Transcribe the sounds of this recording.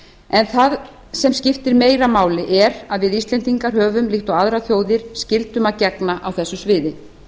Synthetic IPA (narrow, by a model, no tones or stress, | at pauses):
ɛnθað | sɛmscɪft̪ɪɾmeːjɾamaːwlɪʔɛɾaðvɪðist̪lɛnt̪iŋkaɾ̥ɦœːvʏmlɪxt̪ɔaðɾaθjoːwðɪɾ̥scɪlt̪ʏmacɛknaʔawθɛsːʏsvɪːðɪ